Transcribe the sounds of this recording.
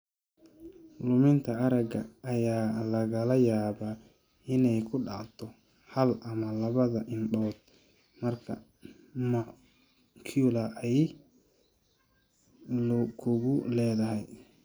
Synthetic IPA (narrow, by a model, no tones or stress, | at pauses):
lʊmɪnt̪ʰɐɐɾɐɡɐʔːjaːlɐɣɐlɐjaːβaː | ɪnɛjkʰʊɖɑ̰t̪ʰɔ | hɐlʔɐmɐlɐβɐðɐʔɪnɗɔːd̪̥̚ | mɐrkʰɐ̰ | ma | kʰulɐʔɛj | lʊkʰʊɣʊlɛːðɐɦɛj